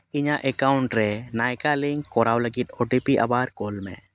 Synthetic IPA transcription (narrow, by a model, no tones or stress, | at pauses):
iɲaʔɛkawɳʈɾɛnajkaliŋkɔɾawləɡit̪̚ˀɔɖipiʔa̰baɾkɔlmɛ̰̃